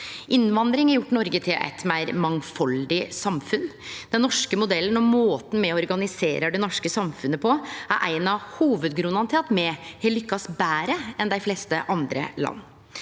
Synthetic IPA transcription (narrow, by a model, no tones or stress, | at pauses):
ʔɪnʋɑnd̪ɾɪŋɛjʊʈːnɔɾɡət̪ʰɪlʔɛ̰t̪mæɪɾmɑŋfɑld̪ɪsɑmfʉnd̪ɛnːɔʂkəmʊd̪ɛlːənɔmoːt̪n̩mɛɔɔɾɡɑnɪseːɾəd̪ɛnɔʂkəsɑmfʉnəpʰɔæ̰ɾʔæ̰ɪnɑhuːʋəd̪ɡɾʉnɑnt̪ʰet̪mɛhɛlʏkːɑsbæːɾəɛnd̪æɪfleːst̪əʔɑnd̪ɾə̰lɑ̰nː